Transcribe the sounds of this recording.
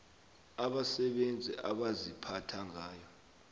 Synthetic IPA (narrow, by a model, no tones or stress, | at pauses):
aɓasɛɓend͡zʱiʔaɓazipʰatʰaŋaːjɔ